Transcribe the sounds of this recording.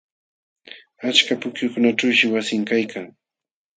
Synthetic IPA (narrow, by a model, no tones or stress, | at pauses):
at͡ʃkapʊkjʊkʊnaʈ͡ʂawʃɪwasɪŋkajkʰaŋ